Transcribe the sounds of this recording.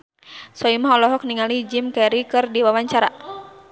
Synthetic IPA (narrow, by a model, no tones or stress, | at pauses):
sɔimaɦɔlɔɦɔk̚niŋalid͡ʒimkaiɾikɨrdiwawaɲt͡ʃaɾa